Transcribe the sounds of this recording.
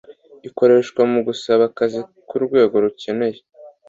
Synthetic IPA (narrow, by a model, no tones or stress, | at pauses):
iko̞ɾe̞ʃkwamuɡusaβakazikuɾɡwe̞ːɡo̞ɾuce̞ne̞je